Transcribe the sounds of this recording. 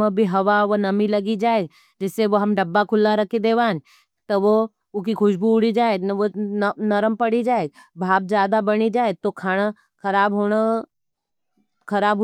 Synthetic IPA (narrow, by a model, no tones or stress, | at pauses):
əbʱiɦɐʋaʋonɐmilɐɡid͡ʒaːeɡ | d͡ʒɪsːeʋoɦɐmɖɐbːakʰʊlːaɾɐkʰed̪eːʋãːn | t̪ɐʋo | ʊkikʰʊʃbuʊɽid͡ʒaːeɡʋonɐɾəmpɐɽid͡ʒaːeːɡ | bʱaːb̚d͡ʒjaːd̪abɐɽ̃id͡ʒaːet̪okʰaːɽ̃a | kʰɐɾaːbɦoːña | kʰɐɾaːbʱ